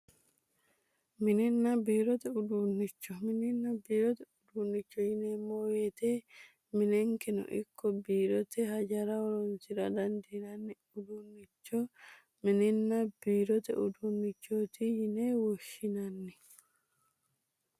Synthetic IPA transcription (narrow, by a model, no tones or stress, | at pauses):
mɪnɪnːɐbiːɾɔt̪ɛʊd̪unːɪt͡ʃːɔmɪnɪnːɐbiːɾɔt̪ɛʊd̪unːɪt͡ʃːɔjɪnemoːjet̪e | mɪnɛŋkɛnɔ̰ʔɪ̰kʰːɔbiːɾɔt̪ɛhɐd͡ʒɐɾaɔɾɔnsɪɾɐd̪ɐnd̪inɐnːɛ | ʊd̪unːɪt͡ʃːɔ | mɪnɪnːabiːɾɔt̪ɛ̰ʊd̪unːɪt͡ʃːoːt̪ijɪnewɔʃɪnɐnːɛ